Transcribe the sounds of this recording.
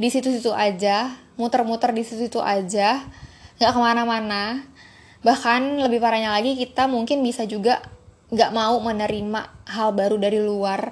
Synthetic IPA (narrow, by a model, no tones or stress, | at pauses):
disit̪usit̪uʔad͡ʒa | mut̪ərmut̪ərdisit̪uit̪uʔad͡ʒaŋɡaʔkəmanamana | bahkanləbɪhpaɾaɲalaɡikit̪amuŋkɪnbisad͡ʒuɡa | ŋɡaʔmaumənəɾimaɦalbaɾudaɾiluar